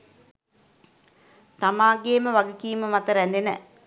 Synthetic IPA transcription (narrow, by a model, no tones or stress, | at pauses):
t̪amaːɡeːməʋaɡəkiːməmat̪əɾænd̪enə̰